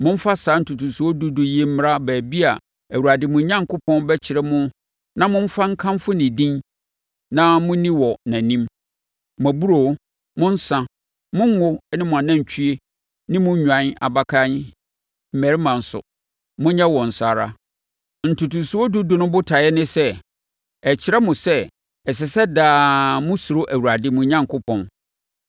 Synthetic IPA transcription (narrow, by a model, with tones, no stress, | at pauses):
mʊ̃˦m̩˦fa˦saː˨˦n̩˨tʰu˨tʰũ˨su˨ɔ˦du˦dʊ˨je˦m̩˦m˦ɾa˦bæː˨bi˦a˨ | æ˨wu˨ɾa˨dɪ˨mʊ̃˨˦ɲã˦ŋkʰʊ˦pʰɔ̃˦nbɛ˦t͡ɕʰɪ˨ɾɛ˦mʊ̃˦ | nã˦mʊ̃˦m̩˦fa˦ŋ̩˦kʰã˦m˦fʊ˦nɪ̃˨dĩ˦n | nã˦mʊ̃˦nĩ˦wɔ˨nã˨nĩ˦m | mæ˨bu˦ɾo˨˦ | mʊ̃˦n̩˦sã˨ | mʊ̃˦ŋ˦ŋʊ˦nɪ̃˦mʊ̃˨a˨nã˦˨ɲ˨t͡ɕʰi˦e˦ | nɪ̃˦mʊ̃˦ɲᶣ˨ã˨˦na̰˨ba˦kʰa˦n˦ | m̩˨mæ˨ɾɪ˦mã˨n̩˨sʊ̰˨ | mʊ̃˦ɲɛ̃˦wɔ̃˨n̩˨sa˨ɾa˦ | n̩˨tʰu˨tũ˨su˦ɔ˦dʊ˦dʊ˨nʊ̃˦bʊ˦tʰa˨ɛ˦nɪ̃˦sɛ˦ | ɛ˨t͡ɕʰɪ˨ɾɛ˦mʊ̃˨sɛ˦ | ɛ˨s̬ɛ˨sɛ˦daː˦mʊ̃˦sʊ˨ɾʊ˦ʔæ˨wu˨ɾa˨dɪ˦mʊ̃˨ɲã˦ŋkʰʊ˦pʰɔ̃˨n